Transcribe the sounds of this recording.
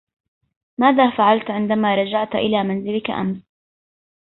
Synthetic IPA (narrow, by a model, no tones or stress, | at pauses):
maːðaːfaʕalt̪ʕɪnd̪amaːɾˤɑd͡ʒaʕt̪ʔɪ̰laːmanzɪlɪka̰ʔa̰ms